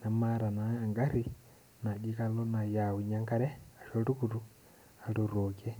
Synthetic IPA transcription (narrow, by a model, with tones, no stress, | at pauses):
na˨ma˦ɾa˨naː˨ŋɡa˦ɾi˦ | na˨ɟi˦ka˦lo˦na˨ja˨wu˨ɲa˦ŋka˦ɾɛ˦a˨ʃo˦ɾu˦ku˨ɾu˦ | a˨tu˨ɾo˨kɛ˦